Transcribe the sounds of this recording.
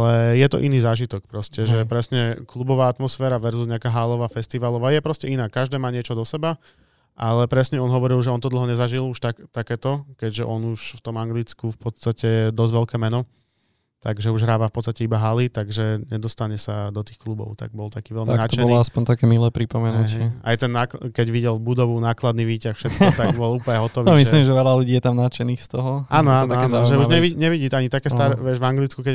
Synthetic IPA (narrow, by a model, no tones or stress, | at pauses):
alɛjɛt̪ɔ̰ʔiniːzaːʒit̪ɔk̚pɾɔscɛʒɛpɾɛsɲɛklubɔʋaːat̪mɔsfɛːɾaʋɛɾzuzɲɛakaːɦaːlɔʋaːfɛst̪iʋalɔʋaːjɛpɾɔscɛinaːkːaʒd̪ɛːmaːɲɪɛt͡ʃɔd̪ɔsɛba | ʔalɛpɾɛsɲɛɔnɦɔʋɔɾilʒɛɔnt̪ɔd̪l̩ˠɦɔɲɛzaʒiluʃt̪akt̪akɛːt̪ɔkɛɟʒɛʔɔnuʃft̪ɔmaŋɡlit͡skufpɔt̪st̪acɛd̪ɔzʋɛʎkɛːmɛnɔ | t̪aɡʒɛuʒɦɾaːʋafpɔt̪t͡st̪acɛibaɦalit̪aɡʒɛɲɛd̪ɔst̪aɲɛsad̪ɔt̪iːxklubɔ̰ʊt̪a̰ɡ̚bɔlt̪akiːʋɛlmianat͡ʃ̪t̪ɔɛnɔlɔaspɔɲt̪akɛːmilɛːpɾipɔmɛnɦ̪uɛɛɪɛa̰jt̪ɛnːaːkkɛɟʋiɟɛlbud̪ɔʋunaːklad̪niʋiːcaxfʃɛt̪kɔt̪aɡbɔluːpɲɛɦɔt̪ɔʋimislimʒɛʋɛlaluɟiːjɛt̪amnat͡ʃɛniːxst̪ɔɦɔaːnɔaːnaanɔʒɛuʒɲɛʋiɲɛʋiɟiːt̪aɲit̪akɛːst̪aɾɛʋɪɛʒʋaŋɡlit͡skukɛ